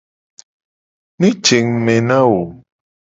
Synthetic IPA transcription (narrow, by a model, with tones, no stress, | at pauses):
nĩ˦t͡ʃe˨ŋmɛ˨nã˦wo˨